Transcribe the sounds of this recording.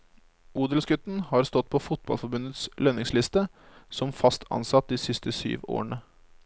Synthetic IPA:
uːd̪əlsɡʉt̪n̩hɑɾst̪ɔt̪̚ːpʰɔfʊt̪̚bɑ̰lfɔbʉnət̪slœnɪŋslɪst̪ə | sɔmfɑst̪ʰɑ̰nsɑt̪̚d̪iːsɪst̪əsy̰ːʋo̰ːəɳə

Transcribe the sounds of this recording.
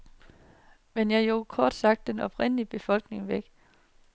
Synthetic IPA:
menjɑjo̝kʰɒːd̥sɑ̈ɡ̥̚d̥ːenɒ̽b̥ʰʁen̰əlib̥e̝fɒ̽l̰ɡ̥ne̝ŋʋeɡ̥

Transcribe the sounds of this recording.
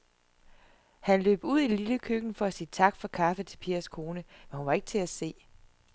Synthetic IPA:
hænlø̰ːb̥uð̞̰ˠililəkʰøɡ̥n̩fɒ̽æsiːt͡sʰɑ̈ɡ̥fɒ̽kʰɑ̈fət͡sʰe̝lpʰiːɐskʰo̝ːnəmenhunʋɑ̈e̝ɡ̥ə̥t͡sʰe̝æse̝̰ː

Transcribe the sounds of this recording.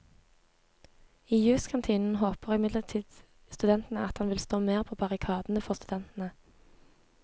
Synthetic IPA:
iːjʉːskʰɑnt̪ʰiːnn̩ɦoːpəʁɪmɪd̪ləʁt̪ʰiːd̪̥ | st̪ʉd̪ɛnt̪n̩əɑt̪hɑnʋɪlst̪oːmeːʁpʰoːbɑʁɪkʰɑːd̪n̩əfɔʁst̪ʉd̪ɛnt̪n̩ə

